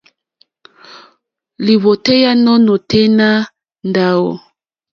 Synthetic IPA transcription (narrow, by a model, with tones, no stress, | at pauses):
li˨βo˨te˦ja˦nɔ˦no˨te˦na˦ | nda˦wo̰˨